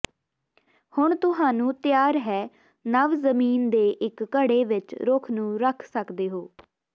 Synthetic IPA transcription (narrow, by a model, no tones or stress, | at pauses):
hʊɳt̪ʊɦaːnũːt̪jaːɾɦɛː | nəʋzəmiːnd̪eːʔɪkːəɽeːʋɪt͡ʃɾʊkʰnũːɾəkʰsəkd̪eːɦoː